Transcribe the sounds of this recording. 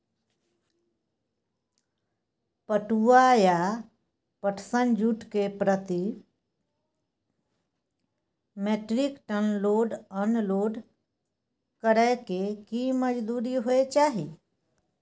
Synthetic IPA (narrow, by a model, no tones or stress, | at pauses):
pəʈuaja | pəʈʰsənd͡ʒuːʈkepɾət̪i | meːʈɾɪkʈənloːɖənloːɖ | kəɾəkekiməd͡ʒd̪uːɾiɦoet͡ʃaːɦi